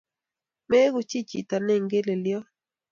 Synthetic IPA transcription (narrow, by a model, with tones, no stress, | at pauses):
mɛ˦ɡʊ˦t͡ʃi˦t͡ʃḭ˨ta˨nɛ˦˨ŋɡe˦le˨ljɔ˦